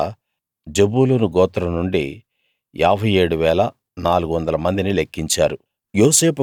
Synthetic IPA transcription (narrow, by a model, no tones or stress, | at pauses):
d͡ʒebuːlonuɡɔːt̪ɐɾɐnuɳɖḭ | aːbʱɐjeːɽuʋɛːlɐ | naːluɡuʋɐnd̪ɐlɐmɐnd̪inilekːiɲt͡ʃaːɾu | joːse̞ːpu